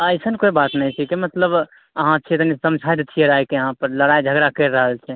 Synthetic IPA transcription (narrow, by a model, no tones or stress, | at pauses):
əjsənkoibat̪nəjt͡ʃʰikemət̪ləb | əɦãt͡ʃʰit̪nisəmd͡ʒʱajd̪t͡ʃʰijeɾajkeəɦãpəɾləɽajd͡ʒʱəɡɾakəɾːəɦəlt͡ʃʰɛ